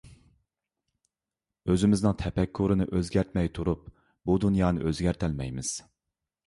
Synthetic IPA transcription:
øzɪmɪznɨŋt̪ʰɛpʰɛkʰːuɾɨnɨʔøzɡʲæɾt̪mɛjt̪ʰuɾup̚ | bud̪unjɑːnɨ̰ʔøzɡʲɛæɾt̪ʰɛlmɛjmɪz̥

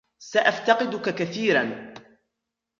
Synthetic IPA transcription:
saʔaft̪ɑqɪd̪ʊkakaθiːɾan

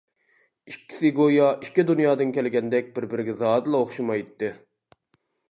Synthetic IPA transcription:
ikʲʰːi̥sɪɡojɑʔikʲːid̪unjɑːd̪ɨnkʲʰɛlɪɡʲɛnd̪ɛk̚ʲbɪɾbɪɾɪɡʲɛzɑːd̪ɨlˠɑoχʃumɑjt̪ːɨ

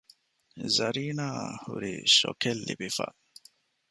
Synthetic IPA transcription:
zɐɾiːnaːhuɾiʃokelːibifa̰

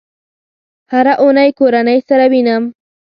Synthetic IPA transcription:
haɾaʔʊnajkoɾanajsaɾabɪnam

